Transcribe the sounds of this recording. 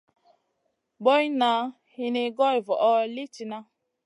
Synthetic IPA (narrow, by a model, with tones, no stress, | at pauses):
bɔ˦jna˨˦ | hi˦ne˦ɡɔ˦jvɔ˨ʔɔ˦li˦ti˨na˦